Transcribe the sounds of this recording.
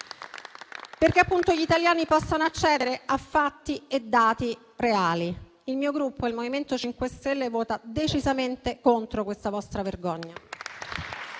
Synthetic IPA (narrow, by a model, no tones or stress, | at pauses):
perk̟eapːunt̪oʎit̪aljaːnipɔsːanoat͡ʃːɛːd̪eɾeafːat̪ːied̪ːaːt̪i | ɾeaːli | ilmiːoɡɾupːoilmoviment̪ot͡ʃiŋkwest̪ɛlːevoːt̪ad̪et͡ʃizament̪ekont̪ɾokwest̪avɔst̪ɾaverɡɔɲːa